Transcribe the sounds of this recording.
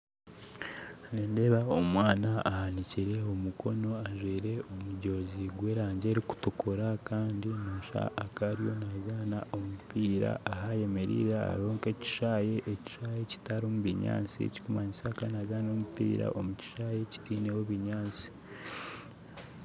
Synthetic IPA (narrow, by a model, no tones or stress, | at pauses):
neːnde̞βaomwaːnaːhaniciɾe̞omukʰo̞no̞aʒwiːɾe̞omuɟo̞ːziɡwe̞ːɾaːɲɟe̞ːɾiku̥tukʰoɾakaːndinoːʃa̰ːkaɾijo̞nazaːnaʔo̞mupiːɾa̰ʔaɦaje̞me̞ɾḭːɾaa̰ɾo̞ːŋke̞ci̥ʃajeʔeci̥ʃaje̞ci̥taɾomuβiɲa̰ːnt͡sḭci̥kumaɲisakanazaːnomupḭːɾa̰ʔomuci̥ʃaje̞ci̥tiːne̞woβiɲaːnt͡si̥